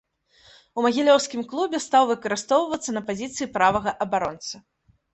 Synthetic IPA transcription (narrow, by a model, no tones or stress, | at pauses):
umɐɣʲilʲɔwskʲimklˠubʲɛst̪awvɨkɐɾɨst̪ɔwvɐt̪sːɐnɐpazʲit̪sɨipɾavɐɣɐʔɐbaɾɔnt̪sɐ